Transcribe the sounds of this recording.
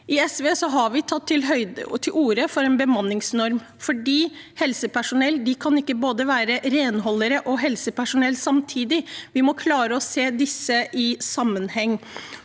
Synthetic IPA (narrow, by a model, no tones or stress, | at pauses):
ʔɪɛsʋeːsɔɦɑɾʋɪt̪ʰɑt̪ʰːɪlɦœʏt̪ʰɪlʔuːɾəfɔɾɛːnbəmɑnːɪŋsnɔɾm | fɔɖiː | hɛlsəpʰæʂʊnɛlːd̪ɪkʰɑnɪkːəboːd̪əʋæːɾəɾeːnɦɔlːəɾəʔɔɦɛlsəpæʂʊnɛlːsɑmt̪ʰiːd̪ɪʋɪmɔkʰlɑːɾəɔseːd̪ɪsːəʔɪsɑmːənhɛŋː